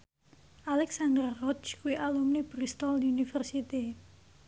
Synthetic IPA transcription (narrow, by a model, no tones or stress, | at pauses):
ʔalɛksand̪ərrɔt͡ʃkuwiʔalumnib̥ɾist̪ɔldiunifərsit̪i